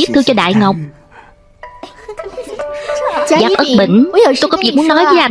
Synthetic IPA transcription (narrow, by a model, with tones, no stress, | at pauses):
i˦˥t̚t̪ʰɨ˧t͡ɕɔ˧ɗa̰ː˧˨jŋə˨˩wk͡p̚ | zaː˨˩p̚ʔə˦˥ɓḭ˧˨ŋ̟˧˦t̪o˧jkɔ˨˦vḭ˧˨mu˦ənɔ˨˦jvəː˨˦jʔa˧˩